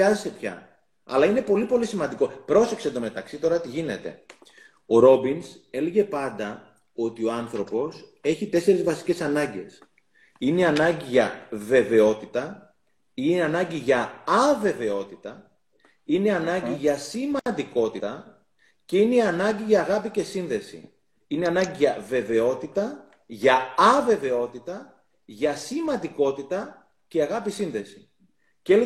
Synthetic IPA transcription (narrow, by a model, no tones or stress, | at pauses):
ɐzesepçɐ̰ | ɐ̰lɐine̞po̞lipo̞lisimɐnd̪iko̞pɾo̞seksend̪o̞me̞t̪ɐksit̪o̞ɾɐt̪iʝine̞t̪e̞̰ | o̞ɾo̞binse̞le̞ʝe̞pɐnd̪ɐ | o̞t̪io̞ɐnθɾo̞po̞se̞çit̪e̞se̞ɾezvɐsi̥ce̞sɐnɐɲɟe̞̰s | ineiɐnɐɲɟiʝɐve̞ve̞o̞t̪it̪ɐ | ineɐnɐɲɟiʝɐːve̞ve̞o̞t̪it̪ɐ | ineɐnɐɲɟiʝɐsimɐnd̪iko̞t̪it̪ɐ | ceineiɐnɐɲɟiʝɐːɣɐpice̞sinðe̞sḭ | ine̞ɐnɐɲɟiʝɐve̞ve̞o̞t̪it̪ɐ | ʝɐɐve̞ve̞o̞t̪it̪ɐ | ʝɐsimɐnd̪iko̞t̪it̪ɐ | ce̞ɐɣɐpisinðe̞si̥ | cel